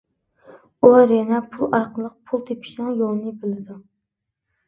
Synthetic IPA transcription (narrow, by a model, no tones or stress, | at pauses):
ulˠɑɾjɑnapʰʊlˠɑɾqɨlˠɨq̚pʰʊlˠt̪ʰepʰɪ̥ʃnɪŋjolˠnɪbɪlɪd̪ʊ